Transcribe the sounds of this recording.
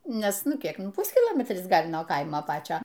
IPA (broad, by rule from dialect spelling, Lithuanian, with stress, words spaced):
ˈnʲɛs ˈnʊ ˈkʲiɛk ˈpʊsʲkʲɪlˠoːmʲɛtʲrʲɪs ˈɡɐlʲ nuɔ ˈkɐɪmoː ˈpɑːt͡ʃʲoː